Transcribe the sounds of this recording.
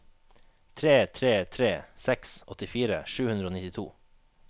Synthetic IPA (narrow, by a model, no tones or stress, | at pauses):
t̪ʰɾeːt̪ʰɾeːt̪ʰɾeːsɛksɔt̪ɪfiːɾə̰ʃʉːʉnd̪ɾəoːnɪt̪ɪt̪ʰṵː